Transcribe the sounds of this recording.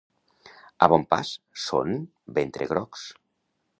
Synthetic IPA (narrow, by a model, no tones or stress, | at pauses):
aβɔmpa̰sso̰n | bent̪ɾeɣɾɔks